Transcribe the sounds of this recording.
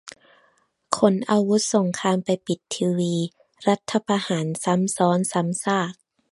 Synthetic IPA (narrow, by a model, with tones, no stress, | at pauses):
kʰo˧˦nʔa˧wu˦˥t̪̚so˩˦ŋkʰaː˧mpa˨jpi˨˩t̪ʰːiː˧wiː˧ | ɾa˦˥t̪ʰːa˧paː˧haː˩˦nsa˨˦msɔː˨˦˥nsa˨˦msaː˥˩k̚